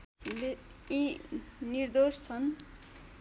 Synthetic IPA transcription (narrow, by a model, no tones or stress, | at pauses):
l | iniɾd̪ost͡sʰʌn